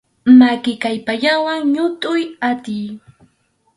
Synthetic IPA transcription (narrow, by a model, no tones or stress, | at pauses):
makɪkajpaʎawaŋɲʊt̪ʊjat̪ɪj